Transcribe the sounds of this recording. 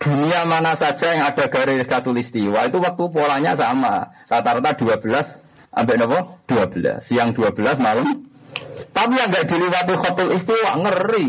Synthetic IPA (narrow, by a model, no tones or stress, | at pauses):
d̪̥ṳniamanasad̥ʒ̥a̤jaŋad̥a̤ɡ̥a̤ɾekat̪ʊlist̪iwait̪uwək̚t̪upolaɲasama̰ | lat̪aɾat̪ad̪̥ṳab̥ə̤las | ʔa̰mbɪʔnɔpɔd̪̥uab̥ə̤la̰sijaŋd̪̥uab̥ə̤lasmaləm | t̪apijaŋɡaʔd̪̥i̤liwat̪iχɔt̪ʊlist̪iwa̰ŋəri